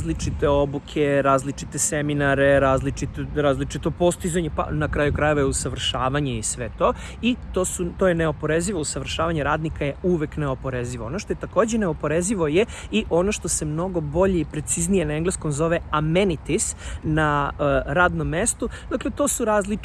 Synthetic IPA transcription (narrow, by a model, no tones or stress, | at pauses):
zlit͡ʃit̪eo̞bukʰeɾaːzlit͡ʃit̪eseminaɾeɾaːzlit͡ʃit̪oɾaːzlit͡ʃit̪o̞po̞st̪izaɲepa̰nakɾaːjukɾajeʋojeusaʋr̩ʃaːʋaɲeisʋe̞t̪o̞ː | it̪osut̪o̞ːjeneo̞po̞ɾeziʋousaʋr̩ʃaːʋaɲeɾaːd̪nikajeuʋekneo̞po̞ɾeziʋoonoʃt̪ojet̪ako̞ːd͡ʑeneo̞po̞ɾeziʋo̞jeiʔo̞no̞ʃt̪o̞se̞mno̞ɡo̞bo̞ʎe̞ipɾe̞t̪siznijenaeŋɡlesko̞mzo̞ʋeamenit̪isnaɾaːd̪no̞mːe̞st̪ud̪aklet̪o̞ːsuɾaːzli